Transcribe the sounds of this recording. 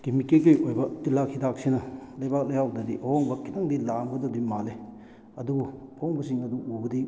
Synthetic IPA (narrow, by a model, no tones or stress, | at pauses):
kimikekɯjojbɐtilakʰidak̚sinɐlɐjbak̚lɐjawdɐdiʔoɔŋbɐkʰitaŋdilamɡɐdɐdimale | ɐdubuɔŋbɐsiŋɐduʔubɐdi